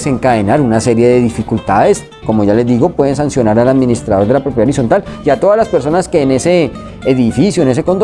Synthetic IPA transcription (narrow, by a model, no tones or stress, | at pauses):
se̞ŋkaðenaɾunase̞ɾje̞ðe̞ðifikult̪aðe̞s | ko̞mo̞ʝale̞zd̪iɣo̞pweðe̞nsansjo̞naɾalaðminist̪ɾaðoɾd̪elapɾop̬jðaoɾis̬o̞nt̪aliat̪o̞ðazlaspe̞ɾso̞naske̞ːne̞se̞ː | ðifisjoene̞s̬e̞ko̞nt̪